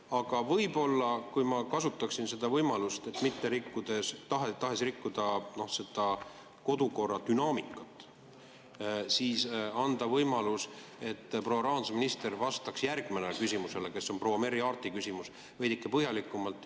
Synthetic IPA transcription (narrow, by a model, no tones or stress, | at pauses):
ɑɡ̥ɑvɤ̞jbo̞lːɑkujmɑkɑsut̪ːˑɑksinse̞d̪ɑvɤjmɑlust̪e̞t̪ːˑmit̪ːe̞ɾikːud̪̥e̞st̪ɑɦet̪ɑɦe̞srikːud̪̥ɑno̞hse̞d̪̥ɑ | ko̞d̪̥uko̞rːɑt̪ynɑːmikːˑɑt̪ːˑ | siːsɑnd̪̥ɑvɤjmɑluse̞t̪ːprowɑɾɑːnsɑminist̪e̞ɾvɑst̪ɑksjærɡ̥menekysʲimuse̞leke̞sːo̞npro̞wːɑme̞ɾiɑːrt̪ˑikysʲimus | ve̞jd̪ikːˑepɤhjɑlikːˑumɑlt̪ːˑ